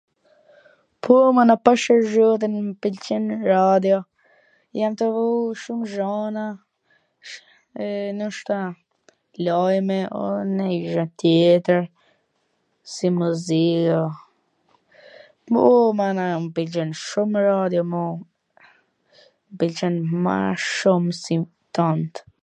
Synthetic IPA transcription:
pʰumanapaʃəɾʒɔt̪̬ənmpilt͡ʃinɾad̪jɔ | jamt̪əvuʃumʒana | ɛnɔʃt̪a | lajmɛɔ̰nɛiʒɛnt̪jɛt̪əɾ | simuzia | ɔmanampilt͡ʃɛnʃumɾad̪jɔmɔ | mpilt͡ʃɛnma̰ʃumsi | t̪ant̪

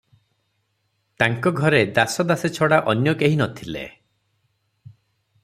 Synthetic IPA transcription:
t̪aŋkɔɡʱɔɾed̪asɔd̪aset͡ʃʰɔɽaʔɔnjɔkeɦinɔt̪ʰilḛ

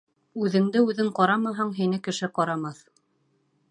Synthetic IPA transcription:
ʉðɘ̆ŋd̪ɘʉðɘɴqɑɾɑmɑɦɑɴɦinɘkɘ̆ʃɘqɑɾɑmɑθ

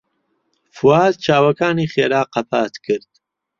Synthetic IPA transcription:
fuwaːz̚t͡ʃʰaːwɐkaːniːχeːɾaːqɐpʰaːt̪kʰɨɾd̪̥

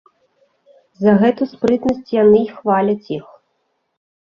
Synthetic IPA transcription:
zɐɣɛt̪uspɾɨt̪nɐsʲt͡sʲjanɨixvalʲɐt͡sʲix

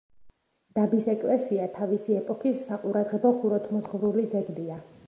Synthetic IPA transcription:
d̪̥abisɛkʼlɛsiat̪ʰavisiɛpʼɔkʰisːaqʼuɾad̪ʁɛbɔχuɾɔt̪ʰmɔzχvɾulid̪zɛɡlia

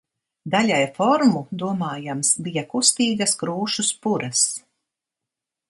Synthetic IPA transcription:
d̪alʲajfɔɾmud̪uɔmaːjamsbijakust̪iːɡɐskɾuːʃuspuɾas

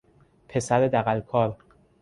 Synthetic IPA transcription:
pʰe̞sæɾed̪æɣælkʰɒːɾ

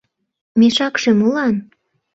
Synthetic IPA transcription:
meʃɑkʃemulɑn

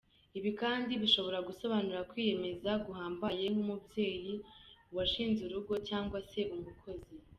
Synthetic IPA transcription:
iβikaːndiβiʃo̞βo̞ɾaɡuso̞βanuɾakwiːje̞me̞zaɡuɦaːmbajeŋ̥umubje̞ːjiwaʃiːnzuɾuɡo̞caːŋɡwase̞ʔumukʰo̞zi

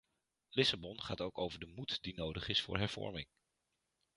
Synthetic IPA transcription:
lɪsabɔnχaːtowkowvəɹdəmutdinowdəχɪsfʊ̰ːɹɦɛɹv̥ɔ̰ɹmɪŋ

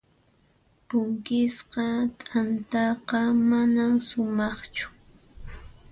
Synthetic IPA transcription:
pʊŋkɪsqɑt̪ʼant̪ɑqɑmanamsʊmɑχt͡ʃʊ̥

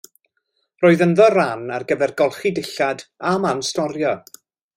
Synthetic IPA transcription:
roːɨðənðɔranarɡəvɛrɡɔlˠχidɪɬadamanstɔɾjɔ

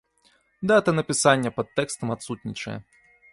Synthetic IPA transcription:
d̪aɛt̪ɐnɐpʲisanʲːɛpɐt̪ːɛkst̪ɐmat̪sut̪̚ʲnʲit͡ʂɐ̰jɛ̰

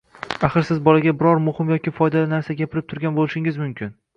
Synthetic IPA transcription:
aχɨɾsɪzbɒlaɡʲabɪɾɒɾmʊhɪmjɒkʲɪfɒjd̪alɪnaɾsaɡʲapʰɪɾɪp̚t̪ʰʊɾɡʲanbolɪʃɪŋɪzmʊmkʲʰɪn

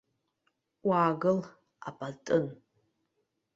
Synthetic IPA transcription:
wʷaːɡɨl | a̰pʰʼatʼɨn

